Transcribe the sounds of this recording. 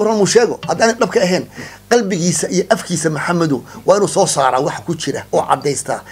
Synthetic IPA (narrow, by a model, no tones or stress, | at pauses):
ʊɾɐnmʊːʃɛːɣɔhɐd̪aːnɛɖɐb̚kʰɐɐɦɛːnqɑlbɪɣiːsɐʔijɔʔɐfkʰiːsɐmʊħamɐðʊwɑːɪnuːsɔːsaːɾaːwɑħkʰʊt͡ʃɪɾɐ̰ʔɔːʕɑ̰d̪ːɛjst̪ʰa̰ː